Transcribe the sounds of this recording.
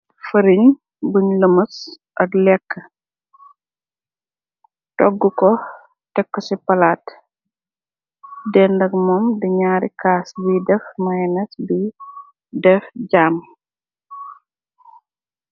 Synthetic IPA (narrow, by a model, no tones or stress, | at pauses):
fɐɾiɲ | buɲləmɐs | ʔɐklɛkːə | tɔɡːukɔ | tɛkːɔsipɐlaːt | dɛndɐkmɔmdiɲaːɾikaːsbidɛfmɐjnɐsbi | dɛfɟaːm